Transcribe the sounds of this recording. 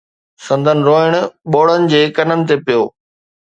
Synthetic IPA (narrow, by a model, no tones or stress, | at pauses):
sɐ̃nd̪ʱənɪ̆ɾoːɪɽ̃ʊɓoːɽ̤ənɪ̆d͡ʑeːkɐnənɪ̆t̪epijoː